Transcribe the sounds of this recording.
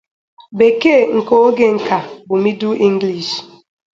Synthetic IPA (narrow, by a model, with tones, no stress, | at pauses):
be˨ke˦˨ŋ̩˨ko˦ɡe˨ŋ̩˨ka˨bʊ˨mi˦du˦ʔi˦ŋ̩˦ɡli˨ʃ